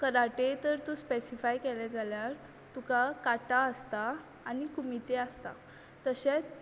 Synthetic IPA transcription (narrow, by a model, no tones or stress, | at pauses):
kəɾaʈet̪əɾt̪ũspesifajkɛlɛd͡zaljaɾ | t̪ukakaʈaəst̪aː | nikumit̪east̪a̰ | t̪əɕet͡s